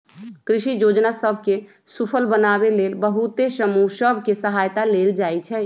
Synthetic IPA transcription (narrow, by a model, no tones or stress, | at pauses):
kɾiʃijod͡ʒnasəbʱke | supʰəlbənabelelbəɦut̪esəmusəbʱkesəɦajt̪aleld͡ʒaɛt͡ʃʰɛ